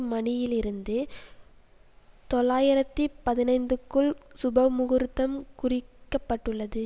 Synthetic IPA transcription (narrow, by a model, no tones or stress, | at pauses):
mɐnɪjɪlɪɾɯnd̪ɯ | t̪ɔɭaːjɪɾɐt̪ːipɐðɪnɐɪnd̪ɯkːɯɭsʊbɐmʊɣɯɾt̪ːɐmkʊrɪkːɐpːɐʈːɯɭːɐðɯ